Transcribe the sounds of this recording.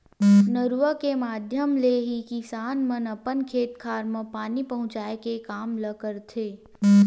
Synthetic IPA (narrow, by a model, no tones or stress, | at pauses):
nəɾʋəkemaːd̪ʱjəmleɦikisaːnmənɐpənkʰeːt̪kʰaːɾməpaːnipɐɦʊ̃t͡ʃaːekekaːmləkəɾt̪ʰeː